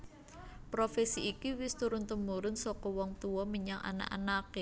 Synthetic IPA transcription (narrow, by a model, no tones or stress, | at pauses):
pɾofɛsiːkiwɪst̪uɾʊnt̪əmuɾʊnsɔkɔwɔŋt̪uwɔmiɲaŋa̰na̰ʔa̰nake